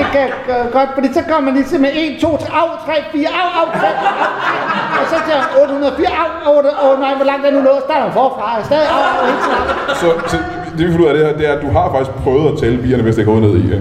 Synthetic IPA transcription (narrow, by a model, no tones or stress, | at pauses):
ekæ̥ɡ̥ɒ̽d̥fɒ̽d̥ḭːsɒ̽kʰɒmɐmænlisemee̝nt͡sʰo̝̰ːt͡sʰɑ̈ʊt͡sʰʁɛ̰ːfḭːɐɑʊɑ̈ʊt͡sʰʁɛ | ɒ̽sɒ̽seɐ̰mænɔ̽ːd̥əhunɐð̩ˠfḭːɐɑʊɔdɔnɑɪʋɒlɑ̈ŋ̰d̥eɐnunɔ̰ːsd̥ɑ̈ːɾɐmænfɒːfʁɑ̈sd̥ɛːðˠiɑ̈ʊensʰsɒ̽s | d̥e̝ʋifɔluð̰ˠɐɾ̥e̝heɐd̥e̝æɐæd̥uɦɑ̈fɑ̈ɡ̥isɡ̥̚pʰʁœʊð̩ˠæt͡sʰɛːləb̥ḭːɐnəʋe̝sd̥eɪɡɔ̽ːne̝ð̞̰ˠi